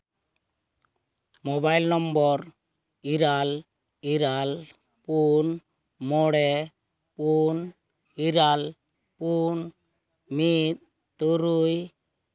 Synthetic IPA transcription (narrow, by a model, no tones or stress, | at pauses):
mɔbajlnɔmbɔɾ | iɾal | iɾal | pun | mɔɽɛ | pun | iɾal | pun | mit̪̚ | t̪oɾuj